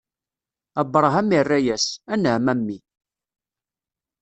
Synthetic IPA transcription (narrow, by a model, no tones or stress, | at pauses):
æbːəɾˤɦæmirːæjæsænəʕmæmːi